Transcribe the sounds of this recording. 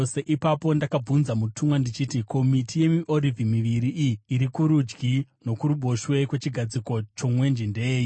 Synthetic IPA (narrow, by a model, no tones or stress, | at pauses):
oseʔipapo̞ndakab͡vunzamutʰumwandit͡ʃitikʰo̞mitʰije̞miʔo̞ɾivimiʋiɾiʔiːɾikuɾud͡ʒɡino̞kuɾuɓo̞ʃwe̞kwe̞t͡ʃiɡʱad͡ziko̞t͡ʃo̞mwe̞nd͡ʒindeːji